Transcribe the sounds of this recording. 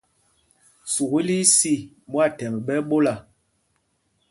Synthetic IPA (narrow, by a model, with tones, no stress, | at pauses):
su˨ɣi˦li˦si˦˨ | mwa˦˨tɛ˨m˨ɓɛ˦ɓo˦la˨